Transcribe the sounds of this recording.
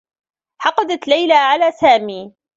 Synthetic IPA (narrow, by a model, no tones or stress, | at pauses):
ħɑqɑd̪at̪lajlaʕalaːsaːmiː